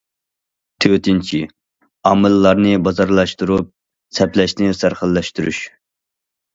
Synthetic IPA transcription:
t̪ʰøt̪ɪnt͡ʃʰi | ɑːmɨlːɑɾnɨbɑzɑɾlˠɑʃt̪uɾup̚ | sɛplɛʃnɪsæɾχəlˠːɛʃt̪uɾy̰ʃ

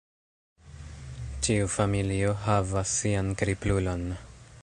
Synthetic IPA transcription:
t͡ʃiufamilioɦavasːiankɾiplulo̞n

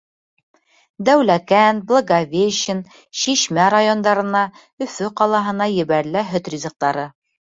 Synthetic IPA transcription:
d̪æwlækænblˠoɡavʲeʃən | ʃiʃmæɾajo̞nd̪ɑɾɤ̆nɑ | ɵ̆fɵqɑlˠɑɦɤ̆nɑjɘ̆βæɾlɘɦɵt̪rʲizɤ̆q̚t̪ɑɾɤ

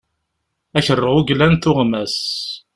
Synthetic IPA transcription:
æçərˤːəʁʊɡlænt̪ʊʁmæs

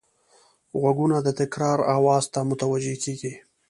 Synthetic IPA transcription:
ɣwaɡunad̪ət̪ɪkɾɑɾawɑːzt̪amʊt̪awad͡ʒekeɡi

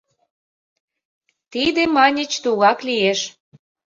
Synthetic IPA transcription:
t̪id̪emɑnʲə̆t͡ɕt̪uɣɑklieʃ

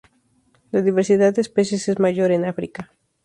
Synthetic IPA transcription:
laðiβeɾsiðaðːeːspe̞sje̞se̞zmaʝo̞ɾe̞nafɾika

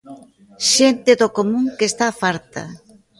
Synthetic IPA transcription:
ʃent̪ɪðokomũŋkest̪afaɾt̪ɐ̰

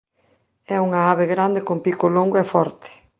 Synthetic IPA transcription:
ɛuŋaaβeɣɾand̪ekompikoloŋɡoɛfɔɾt̪e̥

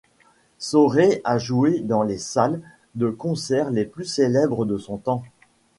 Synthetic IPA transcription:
sɔʁeaʒued̪ɑ̃lesal | d̪əkɔ̃sɛʁleplyselɛbʁəd̪əsɔ̃t̪ɑ̃

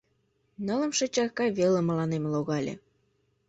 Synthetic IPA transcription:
nɑlə̆mʃə̆t͡ɕɑkɑβelə̆məlɑnemloɣɑlʲḛ

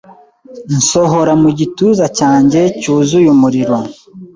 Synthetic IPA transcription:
n̩so̞ɦoɾamuɟituzacaːɲɟe̞cuːzujumuɾiɾo

